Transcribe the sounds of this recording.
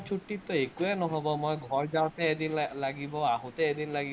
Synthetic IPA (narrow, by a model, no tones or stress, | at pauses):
t͡ʃʰuʈːit̪ɔekuenɔɦɔbɔmojɡʱɔɹd͡ʒaw̃t̪eed̪inlaɡibɔaɦũt̪eed̪inlaɡi